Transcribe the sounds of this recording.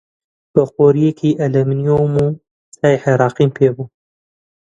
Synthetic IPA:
b̥əxoːɾijekʰiːʔɐlɛmnijomuː | saːiħeɾɑːqiːmpʰeːbuː

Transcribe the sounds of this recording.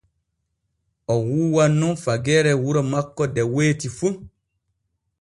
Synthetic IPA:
ɔwuːwanːunfaɡɛːɾɛwuɾɔmakːɔdɛweːtifun

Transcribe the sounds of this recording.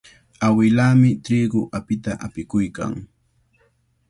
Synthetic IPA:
awɪlaːmɪt̪ɾiːɡʊʔapɪt̪aʔapɪkʊjka̰ŋ

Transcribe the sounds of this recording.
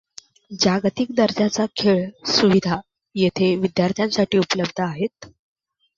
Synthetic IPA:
d͡ʑaɡt̪ik̚d̪əɾd͡ʑat͡sakʰeɭsuʋid̪ʱa | jet̪ʰeʋid̪jaɾt̪ʰjãnsaʈiːupələbd̪ʱəaɦet̪̚

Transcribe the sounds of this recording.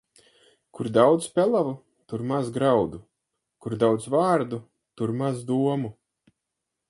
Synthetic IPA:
kʰuɾd̪awd̪zpʲɛlˠavu | t̪uɾmazɡɾawd̪u | kuɾd̪awd̪zvaːɾd̪u | t̪uɾmazd̪uɔmu

